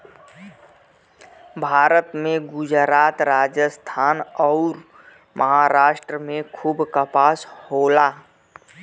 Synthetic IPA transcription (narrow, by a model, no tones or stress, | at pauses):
bʱaːɾət̪mẽɡʊd͡ʒɾaːt̪ɾaːd͡ʒəst̪ʰaːnɔʊɾ | mʔəɦaɾaːʃʈɾəmẽkʰuːbkəpaːshoːlaː